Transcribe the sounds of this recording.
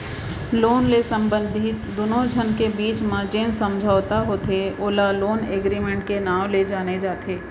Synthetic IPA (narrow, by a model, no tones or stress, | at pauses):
loːnlesə̃mbə̃nd̪ʱɪt̪d̪oːnod͡ʒʱənkebiːt͡ʃmãd͡ʒeːnsɐ̃md͡ʒʱaːʋt̪aɦoːt̪ʰeoːlaloːneːɡɾimẽɳʈkenaːʋled͡ʒaːned͡ʒaːt̪ʰeː